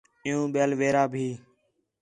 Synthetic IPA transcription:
ɪjũːɓjeːlʋeːɾaːbʱiː

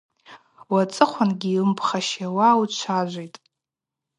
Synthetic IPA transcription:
wat͡sʼɨχʷanɡʲiɨmpʰχaʃawawt͡ʃʷʰaʒʷejtʼ

